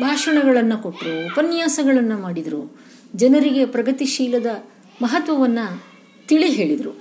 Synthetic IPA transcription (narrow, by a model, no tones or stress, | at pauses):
bʱaːʂɐɳɐɡɐɭɐnːɐko̞ʈːɾuːpɐnjaːsɐɡɐɭɐnːɐmaːɽid̪ɐɾu | d͡ʒɐnɐɾiɡe̞pɾɐɡɐt̪iʃiːlɐd̪ɐ | mɐɦɐt̪ʋɐʋɐnːɐ | t̪iɭiɦe̞ːɭid̪ɾu